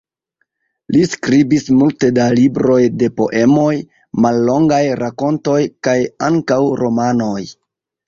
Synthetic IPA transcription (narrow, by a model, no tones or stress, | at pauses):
liskɾibismulte̞dalibɾo̞jde̞po̞̰ʔe̞mo̞j | malːo̞ŋɡajɾako̞nto̞jkajaŋkawɾo̞mano̞j